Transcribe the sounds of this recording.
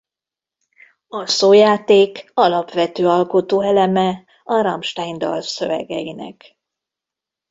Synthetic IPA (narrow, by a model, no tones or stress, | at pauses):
ɒsoːjaːt̪eːkɒlɒpʋɛt̪øːɒlkot̪oːɛlɛmɛ | ɒɾɒmʃt̪ajnd̪ɒ̰lsø̞vɛ̰ɡɛjinɛ̰k